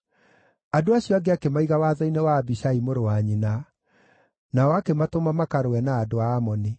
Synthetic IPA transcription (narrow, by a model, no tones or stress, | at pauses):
adoaɕjɔaɡeakemaiɣawaðainewaːbiɕaimoɾowaɲina | naɔwakematomamakaɾoɛnaːdoaːmɔni